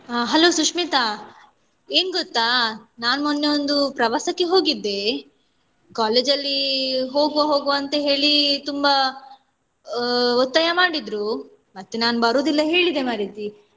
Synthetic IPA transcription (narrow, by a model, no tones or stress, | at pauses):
ɦɐlo̞ːsukʂmiːt̪a | eːnɡot̪ːaːnaːnumonːeond̪upɾɐʋaːsɐkːeɦo̞ːɡid̪ːe̞ | kaːle̞ːd͡ʒɐlːiɦo̞ːɡʋaɦo̞ːɡuɐnt̪ɐɦe̞ːɭit̪umba | ɔt̪ːɐjɐmaːɽid̪ɾu | mɐt̪ːenaːnubɐɾoːd̪ilːɐɦe̞ːɭid̪e̞maːɾit̪i